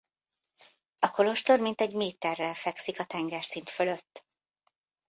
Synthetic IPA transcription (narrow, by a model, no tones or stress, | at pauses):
ɒko̞lo̞ʃt̪o̞rmint̪ɛɟmeːt̪ːɛrːɛlfɛksikɒt̪ɛŋɡɛrsint̪fø̞lø̞t̪ː